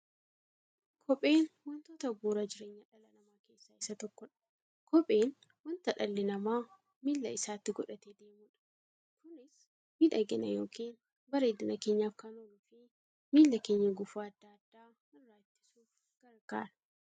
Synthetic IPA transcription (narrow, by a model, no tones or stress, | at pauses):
kʰɔpʼe̞ːnwɐnt̪oːt̪ɐɡuːɾɐd͡ʒɪɾe̞ːɲːɐᶑɐlɐnɐmaːke̞ːsːɐɪsːɐt̪ɔkːɔᶑɐ̥ | kɔpʼe̞ːn | wɐnt̪ɐᶑɐlːɪnɐmaː | miːlːɐɪsaːt̪ːɪɡɔᶑɐt̪eːd̪eːmuːᶑɐ̥ | kʊnɪs | miᶑɐɡɛnɐ̰joːkʰiːn | bɐɾe̞ːd̪ʊnɐke̞ːɲːaːfkɐnɔlʊfɪ | miːlːɐkeːɲːɐɡʊfaːɐd̪ːaːd̪ːaː | mɐrːaːt̪ːɪ̥suːf | ɡ̥ɐɾɡa̰ːɾɐ